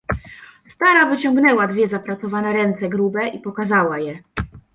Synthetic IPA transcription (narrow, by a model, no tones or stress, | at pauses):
st̪aɾavɘt͡ɕɔŋɡnɛwad̪vʲjɛzapɾat̪sɔvanɛɾɛnt̪sɛɡɾubɛipɔkazawajɛ